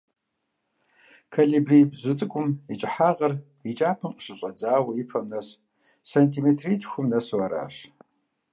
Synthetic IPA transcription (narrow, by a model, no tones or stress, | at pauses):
kʰalibribzʷʊt͡sʼɨkʷʼʊmit͡ʃʼɪħaːʁɐr | it͡ʃʼaːpʰɐmqəɕɨɕʷʼɐd͡zaːwɐipʰɐmnɐs | santʰimetʰritʰxʷʊmnɐswaɾa̰ːɕ